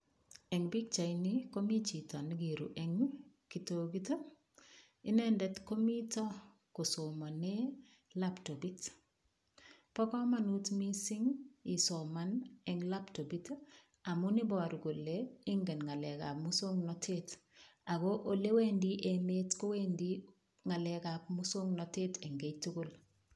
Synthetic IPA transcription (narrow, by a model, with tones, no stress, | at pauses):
ɛ˨ŋbi˦k̚t͡ʃa˨jni˦ko˦mi˦t͡ʃi˨tɔ˨niɡi˨ɾṵ˨ʔɛŋ | ki˨toɡi˦to˦ | ɪ˦nɛ˦ndɛ˨tko˦mi˦tɔ˦ | ko˨so˨mɔ˨nɛ˦ | la˦pto˨bi˦t | pɔ˦kɔ˦ma˦nu˦tmi˦si˦ŋisomanɛŋlaptobit | a˨muni˦bɔ˨ɾɡo˨lei˦ŋɡɛ˨nŋa˨lɛ˨ka˨pmuso˦ŋnɔtʰet | a˨kɔʔo˦le˦we˦ndiʔemetkowendi | ŋa˨lɛka˨pmuso˦ŋnɔte˦tɛ˨ŋɡejtu˦kol